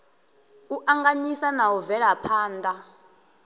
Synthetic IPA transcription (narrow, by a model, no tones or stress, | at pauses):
uʔaŋɡaɲisanawɔvɛɺapʰaːndʱa